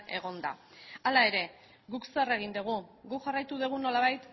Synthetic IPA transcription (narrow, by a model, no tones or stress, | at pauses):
e̞ɣ̞o̞nd̪a̰ | alae̞ɾe̞ | ɡuksere̞ɣ̞ind̪uɣ̞uɡuʝarajt̪uðuɣ̞uno̞laβ̞ajt̪